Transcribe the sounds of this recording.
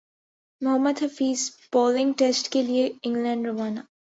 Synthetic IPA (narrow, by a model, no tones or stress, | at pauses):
mʊɦəmːəd̪ɦəfiːzb̥ɔːlɪ̃ŋɡʈesʈkelieɪ̃ŋɡlɛ̃ːɳɖɾomaːnaː